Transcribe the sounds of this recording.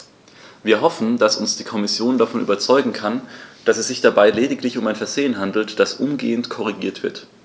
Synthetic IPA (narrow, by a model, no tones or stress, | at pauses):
viːɐɦɔfn̩d̥asʊnsd̥iːkʰɔmɪsjoːndafɔnʔyːbɐt͡sɔʏɡŋ̩kʰand̥asɛsz̥ɪçd̥abaɪleːdɪklɪçʊmaɪnfɛɐzeːənɦandl̩td̥asʔʊmɡeːəntkʰɔʁ̞iɡḭːɐtv̥ɪɐt